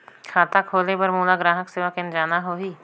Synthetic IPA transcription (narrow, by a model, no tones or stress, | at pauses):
kʰaːt̪akʰoːlepɐɾmuːlaɡɾaːɦəkseːʋakɪ̃nd͡ʒaːnaɦoːɦiː